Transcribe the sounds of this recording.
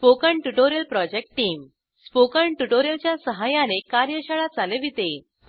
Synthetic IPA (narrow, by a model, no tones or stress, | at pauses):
pokəɳʈuʈoɾjəlpɾɔd͡ʑek̚ʈːiːm | spokəɳʈuʈoɾjəlt͡ɕjasəɦajanekaɾjəɕəɭat͡saleʋit̪e